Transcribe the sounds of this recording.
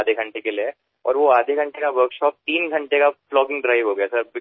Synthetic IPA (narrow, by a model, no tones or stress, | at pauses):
d̪ʱeɡʱɐ̃ɳʈekelie | ɔ̰ːɾʋoaːd̪ʱeɡʱɐ̃ɳʈekaʋəɾkʃɔːp̚t̪iːnɡʱɐ̃ɳʈekaflɔːkɪ̃ŋɡɖɾaɪʋɦoːɡɐjasɐɾbɪ